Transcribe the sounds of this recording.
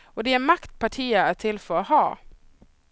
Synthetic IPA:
od̪ɛæmɑkt̪̚pʰɑʈʰiːəæt̪ʰɪlfɔɾohɑː

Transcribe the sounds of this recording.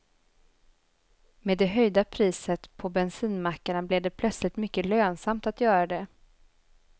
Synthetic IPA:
meːd̪ːɛɦœjd̪apʰɾiːsət̪pʰɔbɛnsiːnmakːaɳablɪd̪ɛpʰlœt̪slɪt̪mʏkːəløːnsamt̪at̪jœːɾad̪ɛ

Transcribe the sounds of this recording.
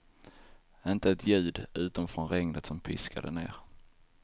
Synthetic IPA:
ɪnt̪əɛt̪ʰjʉ̟ːd̪ʉ̟ːt̪amfɾɔnɾɛŋnət̪sɔmpʰɪ̰skʰa̰d̪ə̰nḛːɾ

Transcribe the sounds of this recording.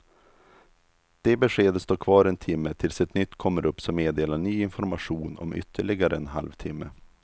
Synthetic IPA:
d̪̥ɛbɛɧeːd̪əst̪oːkʰvɑːɾɛnt̪ʰɪmːət̪ʰɪlsɛt̪nʏt̪ːkʰɔmːəɾʔɵpːsɔmːeːd̪eːlaɳyːɪnfɔɾmaɧuːnɔ̰mʔʏ̰t̪ʰːəɭɪɡaɾəɛnɦa̰lvt̪ʰɪmːə̰

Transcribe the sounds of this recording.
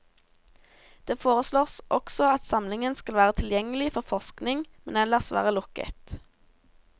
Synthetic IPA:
d̪̥eːfoːʁəsloːʁsʔɔksɔɑt̪sɑmlɪŋənskɑlʋæːʁət̪ʰɪljɛŋəlɪfɔʁfɔʁsknɪŋmɛnɛləʁsʋæ̰ːʁəlʊkə̰t̪

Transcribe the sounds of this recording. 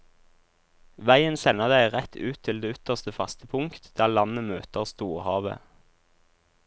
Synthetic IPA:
ʋæɪənsɛnəʁd̪æɪʁɛt̪ʰʉːt̪ʰɪld̪eːʏt̪əʁst̪əfɑst̪əpʰʊŋkt̪d̪̥æːʁlɑnəmøːt̪əʁst̪uːʁhɑːʋə̰

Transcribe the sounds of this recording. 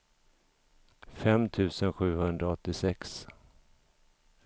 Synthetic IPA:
fɛmt̪ʰʉ̟ːsənɧʉ̟ːhɵnd̪ɾaɔt̪ːɪsɛks

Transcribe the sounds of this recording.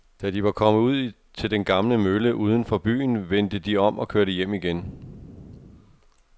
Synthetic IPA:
d̥æd̥iʋɑ̈kʰɒ̽m̰əuð̞̰ˠ | t͡sʰe̝ld̥enɡ̥ɑ̈mləmøləʔuːð̞ˠən̩fɒ̽b̥y̰ːn̩ʋen̰d̥əd̥iɒ̽m̰ɒ̽kʰøɐɾəjem̰iɡ̥en

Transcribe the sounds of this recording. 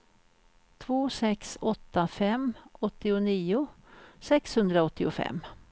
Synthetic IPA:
t̪ʰvoːsɛksɔt̪ːafɛmʔɔt̪ːɪʊniːʊ | sɛkshɵnd̪ɾaɔt̪ːɪʊfɛ̰m

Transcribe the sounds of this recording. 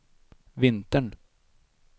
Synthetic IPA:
vɪnt̪əɳ

